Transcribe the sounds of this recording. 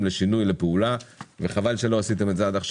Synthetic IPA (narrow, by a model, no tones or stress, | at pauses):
mle̞ʃinujle̞peulaveχavalʃe̞lo̞asit̪̬e̞mezead̪aχʃ